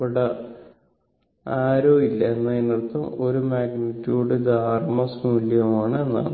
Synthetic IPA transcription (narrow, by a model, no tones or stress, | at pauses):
pɐɽɐ | aːɾoːilːɐenːɐinːɐrt̪ːɐmo̞ɾumaːɡnitʲːjuːɽɨd̪ʱaːrmɐsmuljɐmaːɳɨe̞nːa̰ːɳ